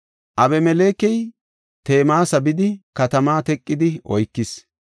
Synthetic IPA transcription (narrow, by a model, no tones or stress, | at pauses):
ʔɐbɛmɛleːkɛj | t̪e̞ːmaːsɐbɪd̪ɪkɐt̪ɐmaːt̪ɛkʼːɪd̪ɪʔɔjkːɪs